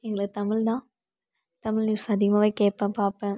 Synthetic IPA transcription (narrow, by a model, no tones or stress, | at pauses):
ɛŋɡɐɭɐt̪ɐmɪɭd̪ãː | t̪ɐmɪlnuːsɐðɪɣɐmɐʋɐːkeːpːɐ̃ːpaːpɛ̃ː